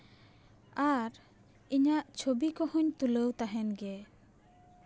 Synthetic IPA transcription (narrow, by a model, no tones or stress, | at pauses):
aɾ | iɲaʔt͡ʃʰobikɔhɔɲt̪uləwt̪aɦɛnɡe